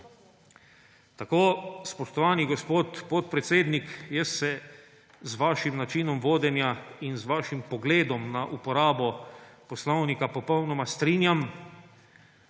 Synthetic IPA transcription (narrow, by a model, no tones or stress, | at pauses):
t̪akoːspɔʃt̪ɔʋaːniɡɔspoːt̪pɔt̪̚pɾɛt̪seːd̪nikjɛsːɛ | zʋaːʃimnat͡ʃinɔmʋoːd̪ɛnjainzʋaːʃimpɔɡleːd̪ɔmnaʔupɔɾaːbɔpɔslɔwnikapɔpɔwnɔmast̪ɾiːnjam